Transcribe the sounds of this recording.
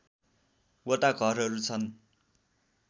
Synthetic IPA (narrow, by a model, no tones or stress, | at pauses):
wʌt̪aɡʱʌrɦʌɾut͡sʰʌn